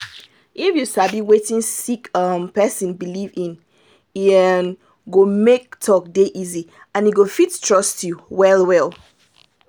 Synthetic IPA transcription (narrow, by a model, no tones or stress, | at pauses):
ʔifjusabiwetĩnsikʌmpɛsĩnbilivĩn | ɛn | ɡomek̚tʰɔk̚deʔizi | ãniɡofittʰɹɔstʰjuwɛlˠwɛl